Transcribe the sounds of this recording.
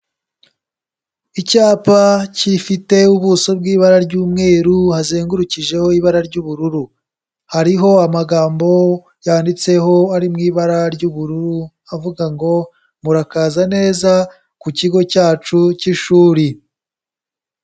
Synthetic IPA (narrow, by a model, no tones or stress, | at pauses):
icaːpacifite̞uβusobɡiːβaɾaɾɟuːmŋe̞ːɾuhazeːŋɡuɾuciʒe̞ho̞iβaɾaɾɟuːβuɾuɾu | haɾiɦo̞amaɡaːmbo̞ | jaːndit͡se̞ɦo̞aɾimŋiːβaɾaɾɟuβuɾuɾu | avuɡaŋɡo̞ | muɾakaːzane̞ːza | kuciɡo̞caːt͡ʃuciʃuːɾi